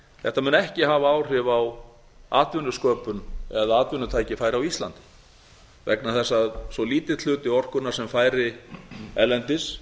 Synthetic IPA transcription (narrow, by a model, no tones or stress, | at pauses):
θɛht̪amɛnɛhcɪɦavaaːwr̥ɪvaw | a̰ːt̪vʏnːʏskœːpʏnɛðaaːt̪vʏnːʏt̪ʰaːjcɪfaːjɾawist̪la̰nt̪ɪ̥ | vɛ̰knaθɛsːaðsɔliːt̪ɪt̪ʰl̥ʏːt̪ɪɔr̥kʏnaɾ̥sɛmfaːjɾɪ | ɛlːɛnt̪ɪs